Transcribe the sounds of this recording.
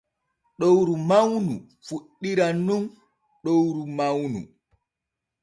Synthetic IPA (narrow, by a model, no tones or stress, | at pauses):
ɗowɾumawnṵ | fuɗːiɾanun | ɗowɾumawnṵ